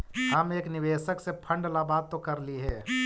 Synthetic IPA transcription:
ɦəmeːknɪʋeːʃəksepʰə̃ɳɖlabaːt̪ːokɐɾliɦɛ̃ː

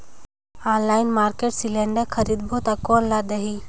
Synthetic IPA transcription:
aːnlaːɪnmaːɾkeːʈsilɛ̃ːɳɖəkʰɐɾid̪bot̪akoːnlad̪əɦiː

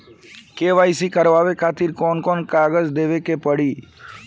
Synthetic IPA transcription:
keʋaisikəɾʋaʋekʰat̪iɾkɔnkɔnkaɡəd͡ʒd̪eʋekepəɽiː

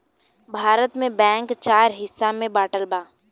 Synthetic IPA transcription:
bʱaːɾət̪mẽbɛ̃ːŋkt͡ʃaːɾɦɪsːamẽbaːʈəlbaː

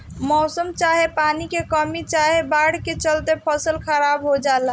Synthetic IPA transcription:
mɔsəmt͡ʃaɦepanikekəmit͡ʃaɦebaɽ̤ket͡ʃəlt̪epʰəsəlkʰəɾabɦod͡ʒala

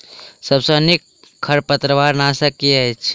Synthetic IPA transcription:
səbsənik | kʰːəɾpət̪ɾəʋaːɾnasəkiɛt͡ʃʰ

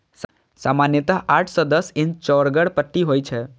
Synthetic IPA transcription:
s | samanjət̪aɦʔaʈʰsɔd̪əsɪ̃nt͡ʃɔɾɡəɽpəʈːiɦojt͡ʃʰɛ

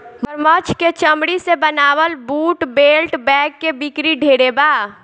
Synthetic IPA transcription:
məɾmət͡ʃʰket͡ʃəmɽisebənaːʋəlbuːʈbelʈbɛːkːebikɾiɖʱeɽeba

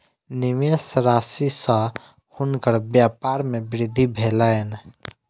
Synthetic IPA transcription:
nɪʋjesɾaːsisa | hunkəɾbjaːpaːɾmẽbɾɪd̪ʱːibʱeːlaen

